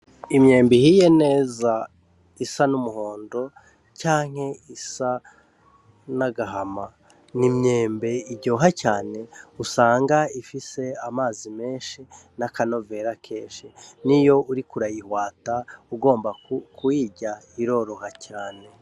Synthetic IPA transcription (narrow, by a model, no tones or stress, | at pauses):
imɲe̞ːmbihije̞ne̞ːza | isanumuɦo̞ːndo̞ | caːŋ̥he̞isa | naɡaɦama | nimɲe̞ːmbe̞iɟoːɦacaːne̞usaːŋɡaifise̞amaːzime̞ːnʃinakano̞ve̞ɾakʰeːʃinijo̞uɾikuɾajihwaːtauɡo̞ːmbakʰujiːɟa | iɾo̞ɾo̞hacaːne̞